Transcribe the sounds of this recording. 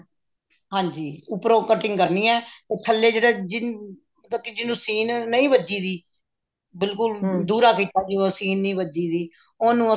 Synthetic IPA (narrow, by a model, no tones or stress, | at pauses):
ɦãːɲd͡ʒiːʊpɾõːkəʈɪ̃ŋɡkəɾniːɛːt̪eːt̪ʰəlːeːd͡ʒeːɽeːd͡ʒɪ | mət̪ləb̚kiːd͡ʒɪnũːsiːnːəĩːʋəd͡ʒiːd̪iː | bɪlkʊld̪uːɾaːkiːt̪aːd͡ʒioːsiːnːĩːʋəd͡ʒiːd̪iː | oːnũːə